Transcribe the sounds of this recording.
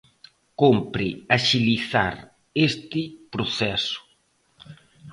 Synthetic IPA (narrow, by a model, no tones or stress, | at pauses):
kompɾɪaʃiliθa̰ɾ | est̪ɪpɾoθɛsʊ̥